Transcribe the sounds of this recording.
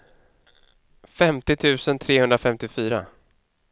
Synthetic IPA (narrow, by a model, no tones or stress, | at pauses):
fɛmt̪ɪt̪ʰʉ̟ːsənt̪ʰɾeːhɵnd̪ɾafɛmt̪ɪfyːɾa̰